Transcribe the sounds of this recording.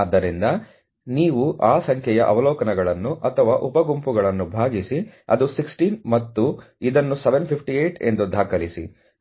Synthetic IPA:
d̪ːɐɾind̪ɐ | niːʋuʔaːsɐŋkʰɛjɐʔɐ̰ʋɐlɔːkɐnɛɡɐɭɐnːuʔɐt̪ʰɐʋaːʔupɐɡumpuɡɐɭɐnːubʱaːɡisiɐ̰d̪usiksʈinmɐt̪ːu | id̪ɐnːusɛʋenpʰipʰʈiejʈe̞̰nd̪ud̪ʱaːkɐlisḭ

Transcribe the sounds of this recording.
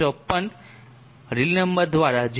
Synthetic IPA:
ɔpːən | ɾilnəmbəɾd̪ʋaɾad͡ʑ

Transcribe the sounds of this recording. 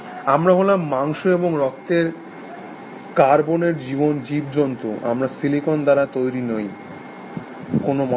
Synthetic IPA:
amɾaɦolamːaŋʃoeboŋɾɔk̚t̪eɾ | kaɾboneɾd͡ʑibond͡ʑibd͡ʑɔnt̪oʔa̰mɾasilikond̪aɾat̪ojɾinoj | konomɔ

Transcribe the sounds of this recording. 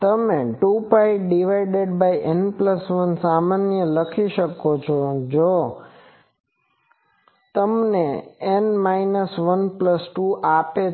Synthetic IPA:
t̪əmeʈupajɖiʋaɪɖeɖbaiʔenpləsʋənsamanjələkʰiʃəkot͡ʃʰod͡ʒo | t̪əmneenmainəsʋənpləsʈuʔape

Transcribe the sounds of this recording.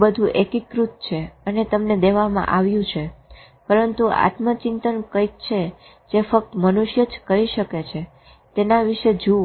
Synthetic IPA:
bəd̪ʱũʔekikɾut̪̚t͡ʃʰeənet̪əmned̪eʋamã̰ʔaʋjũt͡ʃʰe | pəɾənt̪ua̰t̪mət͡ʃint̪ənkəik̚t͡ʃʰe | d͡ʒefək̚t̪mənuʃjəd͡ʒkəɾiʃəket͡ʃʰe | t̪enaʋiʃed͡ʒu

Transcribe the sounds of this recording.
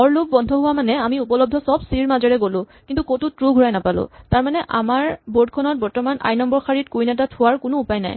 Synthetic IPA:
ɔɹlob̚bɔndʱɔɦʊwamanɛamiupɔlɔb̚dʱɔsɔbsiɹmazɛɹɛɡolʊ̃kintukotutɹuɡʱʊɹajnapalʊ̰̃taɹmanɛʔa̰maɹboɹd̚kʰɔnɔt̚bɔɹtɔmana̰jnɔmbɔɹkʰaɹit̚kujnat̬atʰʊwaɹkʊnʊːpajna̰j

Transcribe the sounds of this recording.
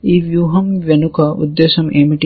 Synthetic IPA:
iːʋjuːɦɐmʋenukɐʔṵd̪ːesɐmʔeːmiʈi

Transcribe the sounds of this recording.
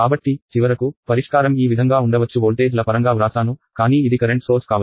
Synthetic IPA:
kaːbɐʈːit͡ʃiʋɐɾɐkupɐɾiʂkaːɾɐmiːʋid̪ʱɐŋɡaːuɳɖɐʋɐt͡ʃːuɦoːlʈeːd͡ʒlɐpɐɾɐŋɡaːʋɾaːsaːnukaːniːid̪ikɐɾeɳʈso̞ːɾskaːʋɐ

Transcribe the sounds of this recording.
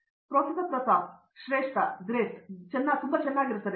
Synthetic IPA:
pɾoːt̪sɐt̪ɐt̪ʋɐsa | ʃɾeːʂʈɐd̪ɾeːstt͡ʃɛnːaːt̪umb̪ɐt͡ʃɛnːaːɡiɾut̪ɐd̪e

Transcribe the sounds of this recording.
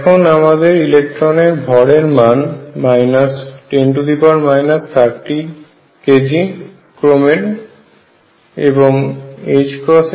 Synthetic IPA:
ɛkʰonamad̪eɾilek̚ʈɾoneɾbʱɔɽeɾmanmajnasʈeɳʈud̪ipaɾmajnaspʰaɾʈi | ked͡ʑi | kɾomeɾ | eboŋed͡ʑkɾɔs

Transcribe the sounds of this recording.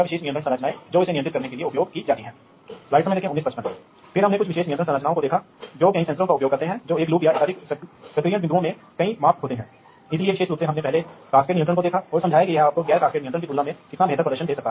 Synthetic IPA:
aʋɪʃeːʃnɪiə̃t̪ɾə̃nsɐɾət͡ʃnaːed͡ʒoːɪsenɪj̃ənt̪ɾɪt̪kɐɾnekelieʊpjoːɡkid͡ʒaːt̪iɦɛ̃ː | laːɪʈsɐməjd̪eːkʰẽʊnːiːspɐʃpə̃n | fʰɪɾɦɐmnẽkʊt͡ʃʰʋɪʃeːʃniə̃nt̪ɾə̃nsəɾət͡ʃnaːõkod̪eːkʰa | d͡ʒoːkɐɦĩsɛ̃nsəɾõkaʊpjoːɡkɐɾt̪eɦɛ̃d͡ʒoːeːkluːpjaɪsaːɾissɐkɾiːjə̃ʋɪnd̪uõmẽ | kɐĩmaːft̪ɦoːt̪eɦɛ̃ː | ɪslieʋɪʃeːʃɾuːpsẽɦɐmnepɛɦlekaːskeːʈnɪjə̃nt̪ɾə̃nkod̪eːkʰaɔːɾsɐmd͡ʒʱaːjekijɐɦaːp̚koɡɛːɾkaːskeːʈnɪiənɾə̃kit̪uːlnãmẽkɪt̪nabʱeːt̪əɾpɾɐd̪əɾʃənd̪eːsɐk̚t̪aːɦɛ

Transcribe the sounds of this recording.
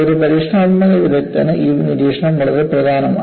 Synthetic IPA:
oɾupɐɾiːʂɳɐmmːɐðɐʋiðɐt̪ːɐnɐʔiniɾiːʂɐɳɐmʋɐɭɐðɐprɐd̪ʱaːnɐma̰ː

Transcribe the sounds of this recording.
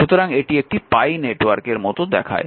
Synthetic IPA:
ʃut̪oɾaŋeʈiek̚ʈipajneʈwaɾkeɾmɔt̪od̪ɛkʰa̰e

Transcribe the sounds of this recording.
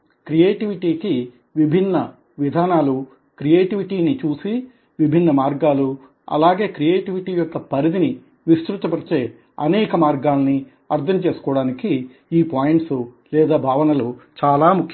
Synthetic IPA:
kɾijeːʈiʋiʈiːki | ʋibʱinːɐ | ʋid̪ʱaːnaːlu | kɾijeːʈiʋiʈiːnit͡ʃuːsi | ʋibʱinːɐmaːɾɡaːlu | ɐ̰laːɡe̞ːkɾijeːʈiʋiʈiːjɔkːɐpɐɾid̪ini | ʋist̪ɾut̪ɐpɐɾit͡ʃe̞ː | ɐ̰nɛːkɐmaːɾɡaːlɐni | ɐɾd̪ʱʰɐmt͡ʃe̞ːsu̥kɔːɽaːniki | iːpaːjiɳʈsu | lɛːd̪aːbʱaːʋɐnɐloːt͡ʃaːlaːmukʰjɐ

